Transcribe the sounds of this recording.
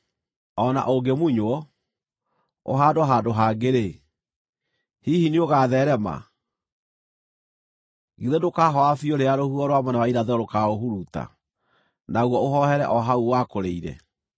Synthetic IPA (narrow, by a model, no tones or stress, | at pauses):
ɔna̰ʔoɡemuɲwɔ | o̰ɦaːdoɦadoɦaːɡeɾe | hihinioɣaðɛɾɛma̰ | ɣiðedokaːɦɔafioɾeaɾohuɔɾowamɔnawainaðɛɔɾokaoɦuɾuta̰ | naɣwɔoɦɔhɛɾɛʔɔɦauwakoɾeiɾɛ̰